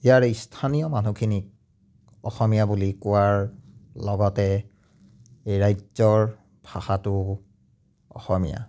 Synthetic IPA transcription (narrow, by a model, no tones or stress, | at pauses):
ijaɹistʰanijɔmanukʰinik̚ | ɔxɔmijabulikʊwaɹlɔɡɔtɛ | ejɹajzɔɹ | b̥ʱaxatʊ | ɔ̰xɔmija̰